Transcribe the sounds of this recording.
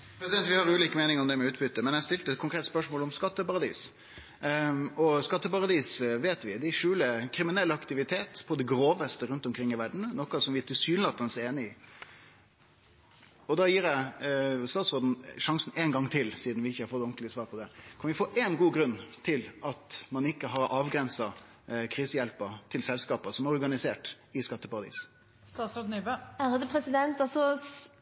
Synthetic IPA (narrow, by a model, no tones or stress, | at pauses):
pʰɾɛsɪd̪ɛnt̪ʋɪhɑɾʉːliːkəmeːnɪŋɔmd̪ɛmɛʉːt̪bʏt̪ːəmɛnæst̪ɪlt̪əɛt̪̚kʰʊŋkʰɾeːt̪spœʂmoːlɔmskɑt̪ːəpɑɾɑd̪ḭːs | ɔskɑt̪ːəpɑɾɑd̪iːsʋeːt̪ʋɪd̪ɛʂʉːləkʰɾɪmɪnɛlːɑkt̪ɪʋɪt̪ʰeːt̪pʰɔd̪ɛɡɾoːʋəst̪əɾʉnt̪ɔmkʰɾɪŋːɪʋæɖɳ̩nɔkːɑsɔmʋɪæt̪ʰɪsyːnlɑt̪ːɑnəseːnəɪ | ɔd̪ɑjiːɾæɪst̪ɑːt̪sʁoːd̪n̩ʂɑŋsn̩eːnɡɑŋːt̪ʰɪlsiːd̪n̩ʋɪɪçːəhɑɾfɔt̪ːɔŋklɪəsʋɑːɾpʰɔd̪ɛkʰɑnʋɪfoːʔeːnɡuːɡɾʉnːt̪ʰɪlɑt̪mɑnɪkːəɦɑɾʔɑːʋɡɾɛnsɑ | kʰɾiːsəjɛlpət̪ʰɪlsɛlskɑːpəsɔmæɾɔɾɡɑnɪseːʈ | ɪskɑt̪ːəpɑɾɑd̪ḭːs | st̪ɑːt̪sɾɔd̪nyːbøæɾd̪ɛpʰɾɛsɪd̪ɛnt̪ɑsɔ